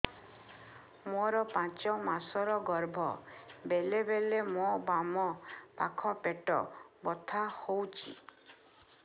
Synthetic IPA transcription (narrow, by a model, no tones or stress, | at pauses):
moɾɔpãt͡ʃɔmasɔɾɔɡɔɾbʱɔ̰belebelemobamɔpa̰kʰɔpeʈɔ̰bɔt̪ʰahowt͡ʃʰḭ